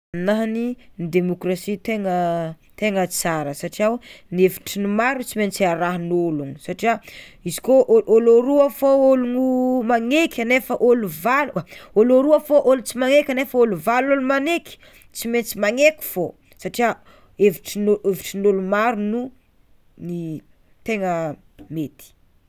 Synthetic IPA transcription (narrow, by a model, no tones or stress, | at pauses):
anaɦnind̪emokrasit̪eŋə | t̪eŋət͡saɾəsaʈ͡ʂiawneviʈ͡ʂinumaɾunt͡siment͡siaɾaɦnolunisaʈ͡ʂiaizi̥koʔoʔoloɾuafoolunumaŋekʰʲanefəʔoluvaluaoloɾuafoʔolut͡simaŋekʲanefəoluvalolumanekʲi̥ | t͡siment͡simaŋeku̥v̥o | saʈ͡ʂia | eviʈ͡ʂinoeviʈ͡ʂinolumaɾunu | ni | t̪eŋə | met̪i̥